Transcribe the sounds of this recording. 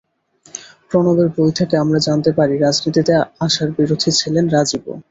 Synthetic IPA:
pɾonobeɾbojt̪ʰakeamɾad͡ʑant̪epaɾiɾad͡ʑnit̪it̪eaʃaɾbiɾod̪ʱit͡ɕʰilenɾad͡ʑibo̰

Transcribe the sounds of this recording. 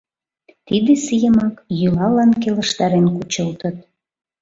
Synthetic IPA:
t̪id̪esijəmɑkjylɑlɑnkelə̆ʃt̪ɑɾenkut͡ɕəlt̪ət̪̚

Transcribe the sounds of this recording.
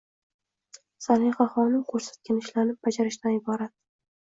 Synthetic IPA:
salɪjχaχɒnɪmkʰɵɾsḁt̪̚kʲanɪʃlanɪp̚bad͡ʒaɾɪʃt̪anɪbɒɾat̪̚

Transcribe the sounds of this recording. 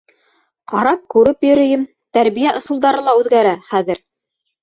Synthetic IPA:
qɑɾɑp̚kʉɾɘpjɵ̆ɾɵ̆jɘm | t̪æɾβijæʔŏsɤ̆lˠd̪ɑɾɤlˠɑʉðɡæɾæχæðɘɾ

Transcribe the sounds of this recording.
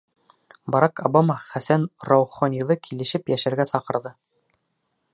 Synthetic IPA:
bɑɾɑkɑbamɑχæsænrɑwχonʲilˠɤkʰilɘ̆ʃɘpjæʃæɾɡæsɑqɤ̆ɾðɤ

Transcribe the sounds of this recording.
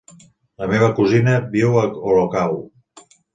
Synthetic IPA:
ləmeβ̞əkuzinəbiwəolokaw

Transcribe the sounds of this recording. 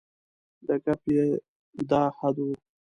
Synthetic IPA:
d̪əkapje | d̪ɑːhad̪u

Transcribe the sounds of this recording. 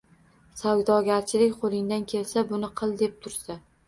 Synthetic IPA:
sawd̪ɒɡʲaɾt͡ʃʰɪlɪkʲqʰolˠɪŋd̪ankʲʰe̞lsabʊnɪqʰɨlˠd̪e̞p̚t̪ʰʊɾsa

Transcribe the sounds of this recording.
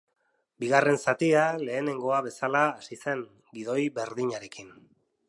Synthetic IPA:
biɣare̞nsat̪iale̞ːne̞ŋɡo̞aβe̞salaːsise̞ŋ | ɡið̞o̞jβe̞ɾðiɲaɾe̞kin

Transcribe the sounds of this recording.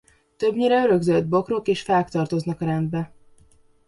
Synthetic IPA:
t̪øbɲiɾɛøɾø̞ɡzøld̪̚bo̞kro̞keːʃfɛlkt̪ɒrt̪o̞znɒkɒɾɛnd̪bɛ

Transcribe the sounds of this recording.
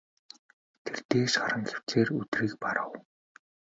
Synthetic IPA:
t̪ʰert̪eːʃɔɾə̆ŋxew̥t͡seːrut̪riːk̚paɾə̆w

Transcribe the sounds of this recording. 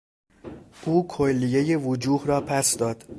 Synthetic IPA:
ʔuːkʰolːije̞je̞vod͡ʒuːhrɒːpʰæsd̪ɒːd̪̥

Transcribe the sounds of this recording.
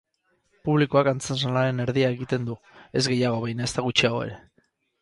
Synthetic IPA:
puβlikuakant͡sens̬alaɾe̞ne̞ɾðiae̞ɣit̪e̞nd̪u | e̞zɣe̞jaɣ̞o̞βajnae̞st̪aɣut͡ʃiaɣo̞e̞̰ɾe̞

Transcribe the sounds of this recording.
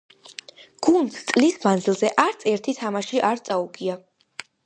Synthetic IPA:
ɡ̥und̪sʰt̪sʼlismand̪zilˠzɛʔaɾt̪sʰɛɾt̪ʰit̪ʰamaʃiʔaɾt̪sʼauɡia

